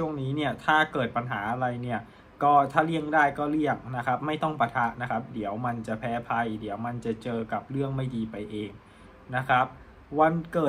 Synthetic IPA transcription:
t͡ɕʰu˥˩əŋniː˦˥ni˥˩ɐt̪ʰaː˥˩kɤː˨˩t̪̚pa˧nɦaː˩˦ʔa˧ɾa˧jni˥˩ɐ | kɔː˥˩t̪ʰaː˥˩li˥˩əŋdaː˥˩jkɔː˥˩li˥˩əŋna˦˥kʰa˦˥p̚ma˥˩jt̪ɔ˥˩ŋpa˧t̪ʰa˦˥ʔna˦˥kʰa˦˥p̚di˩˦əwma˧nt͡ɕa˨˩pʰɛː˦˥pʰa˧jdi˩˦əwma˧nt͡ɕa˨˩t͡ɕɤː˧ka˨˩p̚ɾɯ˥˩əŋma˥˩jdiː˧pa˧jʔeː˧ŋ | na˦˥kʰɾa˦˥p̚ | wa˧nkɤː˨˩

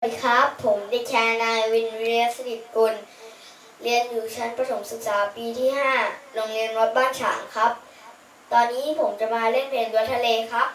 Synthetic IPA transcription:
kʰa˦˥pʰːo˩˦mda˧˩˨kʰɛː˧naː˧jwi˧nwiː˧la˥t̚sa˧ni˨˩t̪̚ku˧n | li˧ənjuː˨˩˦t͡ɕʰa˦˥npɾa˧sʰo˨˩˦msu˨˩t̪̚saː˨˩˦piː˧t̪ʰiː˥˩ɦaː˥˩lo˧ŋli˧ənɾo˦˥p̪̚baː˥˩nsʰa̰ː˩˦ŋkʰa˦˥p̚ | t̪ɔː˧nːiː˦˥˨pʰo˩˦mt͡ɕa˨˩maː˧le˥˩npʰeː˧nd̪u˧ət̪ʰa˧leː˧kʰa˦˥p̚

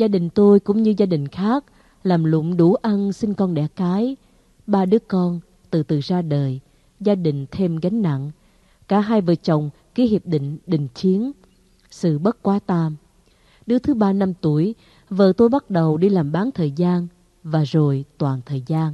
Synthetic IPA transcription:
zaː˧ɗï˨˩ŋ̟t̪o˧jkʊ̰˧˥ŋ͡mɲɨ˧zaː˧ɗï˨˩ŋ̟xaː˦˥k̚ | laː˨˩mlʊ̰˧˨ŋ͡mɗu˧˩ʔa˧nsï˧ŋ̟kɔ˧nɗɛ̰˧˩kaː˨˦j | ɓaː˧ɗɨ˨˦əkɔ˧n | t̪ɨ˨˩t̪ɨ˨˩zaː˧ɗəː˨˩j | zaː˧ɗï˨˩ŋ̟t̪ʰe˧mɣa˨˦ŋ̟na̰˧˨ŋ | kaː˧˩ɦaː˧jvə̰ː˧˨˩t͡ɕə˨˩wŋ͡m | ki˨˦hi˨˩əp̚ɗḭ̈˧˨ŋ̟ɗï˧˨ŋ̟t͡ɕi˨˦ən | sɨ̰˧˨ɓə˦˥t̚kwaː˨˦t̪aː˧m | ɗɨ˨˦ət̪ʰɨ˨˦ɓaː˧na˧mt̪u˧˩əj | və̰ː˧˨t̪o˧jɓa˦˥t̚ɗə˨˩wɗi˧laː˨˩mɓaː˨˦nt̪ʰəː˨˩jzaː˧n | vaː˨˩zo˨˩jt̪waː˨˩nt̪ʰəː˨˩jzaː˧n

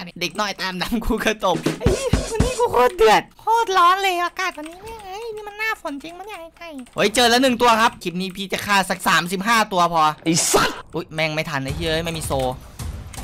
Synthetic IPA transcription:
de˨˩k̚nɔː˧˥˩jt̪aː˧mda˨˧˩mkʰuː˧˩ka˧t̪o˨˩p̚ʔa˧˩jkʰa˧niː˦˥˩kʰuː˧˩kʰoː˧˥˩t̪̚dɯ˨˩ət̪̚kʰoː˥˩t̪̚lɔː˦˥nlɤː˧jʔaː˧kaː˨˩t̪̚wa˧nːiː˦˥mɛː˧˥˩ŋa˧˥˨jmiː˧˥˩ma˧nːaː˥˩fo˨˩˦nt͡ɕi˧ŋma˧˥njaː˨˧˩ŋha˧˩jka˧˩jho˨˦˥jt͡ɕɤː˧lɛ˦˥wnɯ˨˩ŋt̪u˧ɐkʰa˦˥p̚kʰi˨˩niː˧pʰiː˧t͡ɕa˨˩kʰaː˧˩sa˨˩k̚saː˩˦msi˨˩p̚ɦaː˥˩t̪u˧ɐpʰɔː˧ʔi˧˩sa˧˥˩t̪̚ʔoː˦˥jmɛː˧ŋma˥˩jt̪ʰa˧˩nːa˧jt̪ʰiː˧˩˨əː˧˦˥jma˥˩jmiː˧soː˧

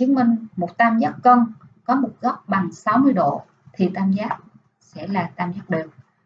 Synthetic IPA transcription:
ɨ˨˦əŋmï˨˩ŋ̟mo˨˩t̚t̪aː˧mza˦˥t̚kə˧nkɔ˨˦mo˨˩t̚ɣɔ˦˥k͡p̚ɓa˨˩ŋsa˨˦wmɨ˧əjɗo̰˧˨ | t̪ʰi˨˩t̪aː˧mzaː˦˥t̚ | sɛ̰˧˥laː˨˩t̪aː˧mzaː˦˥t̚ɗɨ˨˩ək̚

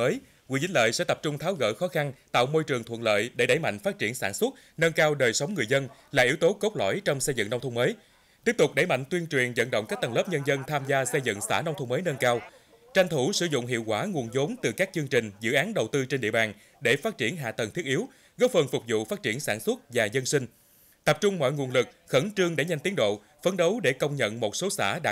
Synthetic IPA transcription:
əː˨˦j | wḭ˧˥t͡ɕï˦ŋ̟lə̰ː˧˨jsɛ̰˧˥t̪ə˨˩p̚t͡ɕʊ˧ŋ͡mt̪ʰaː˨˦wɣə̰ː˧˩xɔ˨˦xa˧nt̪a̰ː˧˨wmo˧jt͡ɕɨ˨˩əŋt̪ʰwə̰˧˨nlə̰ː˧˨jɗe˧˩ɗə˧˩jma̰˧˨ŋ̟faː˦˥t̚t͡ɕi˧˩ənsaː˧˩nswə˦˥t̚ | nə˧nkaː˧wɗəː˨˩jsə˨˦wŋ͡mŋɨ˨˩əjzə˧nlaː˨˩ʔi˨˦əwt̪o˨˦ko˦˥k͡p̚lɔ̰˧˩jt͡ɕɔ˧wŋ͡msə˧jzɨ̰˧˨ŋna˧wŋ͡mt̪ʰə˧ŋ͡mməː˨˦j | t̪i˦˥əp̚t̪ʊ˨˩k͡p̚ɗə˧˩jma̰˧˨ŋt̪wi˧ənt͡ɕwi˨˩ənzə̰˧˨nɗə̰˧˨wŋ͡mkaː˦˥k̚t̪ə˨˩ŋlə˦˥p̚ɲə˧nzə˧nt̪ʰaː˧mzaː˧sə˧jzɨ̰˧˨ŋsa̰ː˧˩na˧wŋ͡mt̪ʰə˧ŋ͡mməː˨˦jnə˧nkaː˧w | t͡ɕa˧jŋ̟t̪ʰu˧˩sɨ˧˩zʊ̰˧˨ŋ͡mɦḭ˧˨əwkwaː˧˩ŋu˨˩ənzo˨˦nt̪ɨ˨˩kaː˦˥k̚t͡ɕɨ˧ŋt͡ɕï˨˩ŋ̟zɨ̰˧˨ʔaː˨˦nɗə˨˩wt̪ɨ˧t͡ɕe˧nɗḭ˧˨əɓaː˨˩n | ɗe˧˩faː˦˥t̚t͡ɕi˧˩ənɦa̰ː˧˨t̪ə˨˩nt̪ʰi˦˥ət̚ʔi˨˦əw | ɣə˦˥w̚fə˨˩nfʊ˨˩k͡p̚zṵ˧˨faː˦˥t̚t͡ɕi˧˩ənsaː˧˩nswə˦˥t̚vaː˨˩zə˧nsi˧ŋ̟ | t̪ə˨˩p̚t͡ɕʊ˧ŋ͡mmɔ̰˧˨jŋu˨˩ənlɨ˨˩k̚xə˧˩nt͡ɕɨ˧əŋɗḛ˧˩ɲa˧ŋ̟t̪i˨˦əŋɗo̰˧˨ | fə˨˦nɗə˨˦wɗe˧˩kə˧wŋ͡mɲə̰˧˨nmo˨˩t̚so˨˦sa̰ː˧˩ɗaː˦˥

